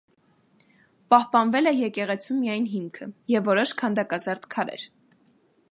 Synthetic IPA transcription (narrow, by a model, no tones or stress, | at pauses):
pɑhpɑnvɛlɛjɛkɛʁɛt͡sʰumːijɑjnɦimkʰəjɛvːɔɾɔʃkʰɑnd̪ɑkɑzɑɾt̪kʰɑɾɛ̰ɾ